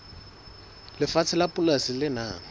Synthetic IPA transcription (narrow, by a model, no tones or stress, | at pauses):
lɪfat͡sʰɪlapʼʊlasɪlɪnaːŋ̩